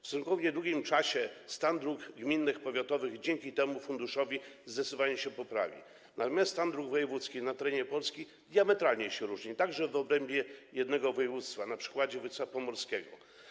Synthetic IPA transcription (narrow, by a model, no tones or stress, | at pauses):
fsuŋkɔvɲɛd̪wuɡʲimt͡ʂaɕɛst̪and̪ɾuɡɡmʲinːɘxpɔvʲjat̪ɔvɘɣd͡ʑɛŋkʲit̪ɛmufund̪uʂɔvʲizd̪ɛsɪvaɲuɕɛpɔpɾa̰vʲḭ | namʲast̪and̪ɾuɡvɔjɛvut̪skʲinat̪ɛɾɛɲɛpɔlskʲi | d̪ʲjamɛt̪ɾalɲɛɕɛɾuʐɲit̪aɡʐɛvɔbɾɛmbʲjɛjɛd̪nɛɡɔvɔjɛvut̪st̪fanapʂɘ̥kwad͡ʑɛvɔjt̪sfapɔmɔɾskʲɛɡɔ̰